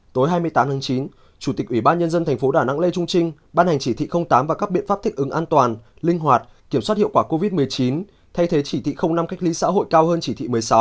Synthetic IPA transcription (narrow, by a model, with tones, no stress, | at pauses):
t̪o˨˦jɦaː˧jmɨ˧əjt̪aː˨˦mt̪ʰaː˨˦ŋt͡ɕi˨˦n | t͡ɕu˧˩t̪i˨˩k̚ʔwi˧˩ɓaː˧nɲə˧nzə˧nt̪ʰa˨˩ŋ̟fo˨˦ɗaː˧˩na̰˧˥ŋlḛ˧t͡ɕʊ˧ŋ͡mt͡ɕï˧ŋ̟ | ɓaː˧nha˨˩jŋ̟t͡ɕi˧˩t̪ʰḭ˧˨xə˧wŋ͡mt̪aː˨˦mvaː˨˩kaː˦˥k̚ɓḭ˧˨əfa˦˥p̚t̪ʰi˦˥k̚ʔɨ˨˦ŋʔaː˧nt̪waː˨˩nlï˧ŋ̟ɦwaː˨˩t̚ | ki˧˩əmswa˦˥t̚hḭ˧˨wkwaː˧˩ko˧vi˦˥t̚mɨ˨˩əjt͡ɕi˨˦n | t̪ʰa˧jt̪ʰe˨˦t͡ɕi˧˩t̪ʰḭ˧˨xə˧wŋ͡mna˧mka˦˥k̟̚li˨˦sa̰ː˧˥ɦo̰˧˨jkaː˧whəː˧nt͡ɕi˧˩t̪ʰḭ˧˨mɨ˨˩əjsa˨˦w